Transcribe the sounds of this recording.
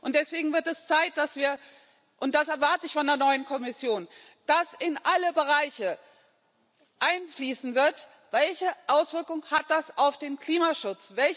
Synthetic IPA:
ʔʊntd̥ɛsv̥eːɡŋ̩vɪɐtɛst͡saɪt̚d̥asv̥iːɐ | ʔʊntd̥asɛɐvaɐtəɪçfɔndeːɐnɔʏənkʰɔmɪsjoːn | d̥asɪnʔaləbəʁ̞aɪçə | ʔaɪnfliːsn̩vɪɐt | v̥ɛlçəʔaʊsv̥ɪɐkʊŋhat̚d̥asaʊfd̥eːnkl̥iːmaʃʊt͡sv̥ɛl

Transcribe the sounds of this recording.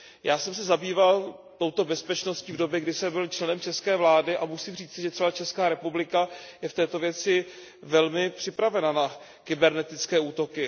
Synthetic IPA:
jaːsɛmsɛzabiːval | t̪o̞wt̪o̞bɛspɛt͡ʃno̞sciːvdo̞bjɛɡdɪsɛmbɪlt͡ʃlɛnɛmt͡ʃɛskɛːvlaːdɪʔamusimriːt͡sɪʒɛt̪r̥ɛbat͡ʃɛskaːɾɛpublɪkajɛft̪ɛːt̪o̞vjɛt͡sɪ | vɛlmɪpr̥ɪpɾavɛnana | kɪbɛɾnɛt̪ɪt͡skɛːuːt̪o̞kɪ

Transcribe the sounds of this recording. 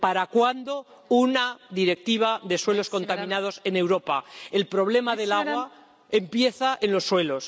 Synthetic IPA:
paɾakwand̪o̞ | unaðiɾe̞k̚t̪iβ̞aðe̞swe̞lo̞sko̞nt̪amĩnað̞o̞se̞ne̞wɾo̞paelpɾo̞β̞le̞maðe̞laɣwa | empje̞θaʔe̞nlo̞sːwe̞lo̞s

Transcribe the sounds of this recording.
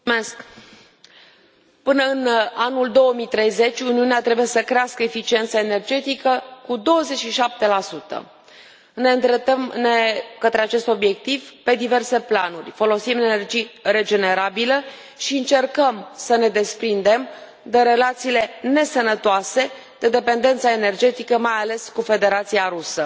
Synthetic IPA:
esk | pɨnəɨnanuld̪o̞wəmit̪ɾe̞jze̞t͡ʃʲuniuneat̪ɾe̞bujesəkɾeaskəefit͡ʃie̞nt̪saene̞rd͡ʒe̞t̪ikəkud̪o̞wəze̞t͡ʃʃiʃap̚t̪e̞lasut̪ə̰ | ne̞ɨnt̪ɾet̪əmnekət̪ɾe̞at͡ʃe̞st̪o̞bje̞k̚t̪ivpe̞d̪ive̞rse̞planurʲfo̞lo̞simenerd͡ʒijre̞d͡ʒe̞ne̞ɾabilə | ʃiɨnt͡ʃe̞rkəmsəne̞d̪e̞spɾind̪e̞m | d̪eɾe̞lat̪siːle̞ne̞sənət̪oase̞ | d̪̥e̞d̪epe̞nd̪e̞nt̪sae̞ne̞rd͡ʒe̞t̪ikəmajale̞skufe̞d̪e̞ɾat̪siaɾusə

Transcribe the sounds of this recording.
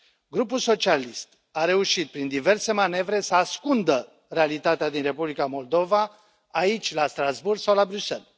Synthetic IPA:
ɡɾupulso̞t͡ʃialist̪ | aɾe̞uʃit̪̚pɾind̪ive̞rse̞mane̞vɾe̞səaskund̪ə | ɾe̞alit̪at̪ead̪inre̞publikamo̞ld̪o̞vaː | it͡ʃʲlast̪ɾazburɡsawlabɾyse̞̰l

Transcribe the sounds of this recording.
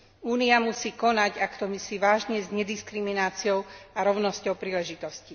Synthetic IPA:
uːniamusiːkɔnaɟakt̪ɔmisiːʋaːʒɲɛzɲɛd̪iskɾiminaːt͡siɔʊaɾɔʊnɔscɔʊpɾiːlɛʒit̪ɔsci

